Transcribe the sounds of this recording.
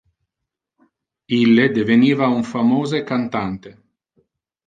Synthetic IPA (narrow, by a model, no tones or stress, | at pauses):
ilːed̪eveniːvauɱfamoːzekant̪ant̪e